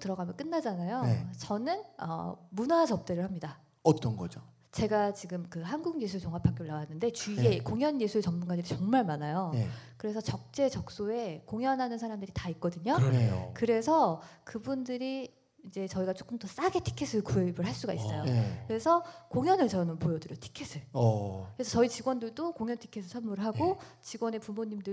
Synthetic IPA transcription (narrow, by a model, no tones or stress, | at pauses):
tɯɾʌɡamjʌnk͈ɯnːad͡ʑanajoet͡ɕʌnɯnʌ̰munad͡ʑʌp̚t͈eɾɯɭhamɲida | ʌt͈ʌnɡʌd͡ʑo | t͡ɕe̞ɡat͡ɕiɡɯmkɯɦanɡuɡɯnjesʰuet͡ɕoŋapʰak͈euɭnawanːɯnde̞t͡ɕiekoŋjʌnjesʰuet͡ɕʌmmunɡadiɾit͡ɕʌŋmaɭmanajojekɯɾe̞sʰʌt͡ɕʌk̚t͡ɕ͈e̞t͡ɕʌk̚s͈oe̞koŋjʌnɦanɯnsʰaɾamdɯɾitaik̚k͈ʌdɯɲon̰kɯɾe̞sʰʌkɯbundɯɾiː | d͡ʑe̞t͡ɕʌiɡat͡ɕ͈o̥k͈ʰɯmt͈ʌs͈aɡe̞tʰi̥kʰesʰɯkuebɯɭɦaɭs͈uɡais͈ʌjokɯɾe̞sʰʌkoŋjʌnɯɭt͡ɕʌnɯnpojʌdɯɾjʌtʰi̥kʰesʰɯɭɯɾesʰʌt͡ɕʌit͡ɕiɡwʌndɯɭdokoŋjʌntʰi̥kʰesʰɯsʰʌɭmuɾɯɭɦaɡot͡ɕiɡwʌne̞pumoɲimdɯ